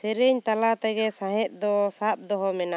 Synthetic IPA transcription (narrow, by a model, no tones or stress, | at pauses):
sɛɾɛɲt̪alat̪ɛɡɛsãɦɛ̃t̪̚ˀd̪ɔsap̚d̪ɔɦɔmɛna